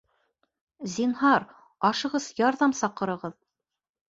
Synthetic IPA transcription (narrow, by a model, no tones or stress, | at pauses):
zinɦɑɾ | ɑʃɤ̆ʁɤzjɑɾðɑmsɑqːɤ̆ɾɤ̆ʁɤð